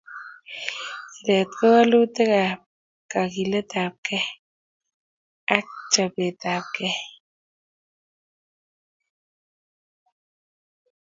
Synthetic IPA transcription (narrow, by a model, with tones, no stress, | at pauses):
i˨le˨t̪ke˦wa˦lu˦t̪e˦kap | ka˨kile˦t̪a˨p̚ke˦ | a˦k̚t͡ʃa˨pe˨t̪a˨p̚ke˦